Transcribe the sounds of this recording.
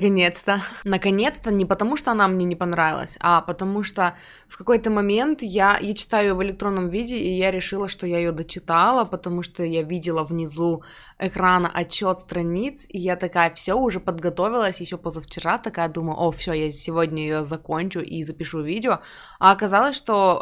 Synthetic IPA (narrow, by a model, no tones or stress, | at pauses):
kɐnʲet̪st̪ənəkɐnʲe̞t̪st̪ənʲɪpət̪ɐmuʂt̪o̞ɐnamnʲenʲɪpɐnɾavʲɪ̰lˠə̰sʲɐpət̪ɐmuʂt̪o | fkɐko̞jt̪əmɐmʲe̞nt̪jajat͡ɕɪ̥t̪ajʊjovɨlʲɪk̚t̪ɾo̞nːəmvʲidʲɪːjaɾʲɪʂɨlˠəʂt̪ojajɪjod̪ət͡ɕɪt̪alˠəpət̪ɐmuʂt̪ojavʲidʲɪlˠəvnʲɪzu | ɪkɾanəʔɐt͡ɕːo̞t̪st̪ɾɐnʲit̪sijat̪ɐkajəfsʲoʊʐɛpəd̪ɡɐt̪o̞vʲɪlˠəsʲjɪɕːopozəft͡ɕɪɾat̪ɐkajəd̪uməjʊ̰ʔofsʲojasʲɪvodʲnʲəjɪjozɐkonʲt͡ɕʊʔizəpʲɪʂuvʲidʲɪo | ɐɐkɐzalˠəsʲʂt̪o̞